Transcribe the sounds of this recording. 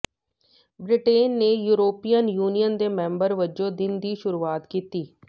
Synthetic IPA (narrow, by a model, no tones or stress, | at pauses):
bɾɪʈeːnːeːjuːɾoːpiːənjuːnijənd̪eːmɛ̃ːmbəɾʋəd͡ʒõːd̪ɪnd̪iːʃʊɾuːaːt̪kiːt̪iː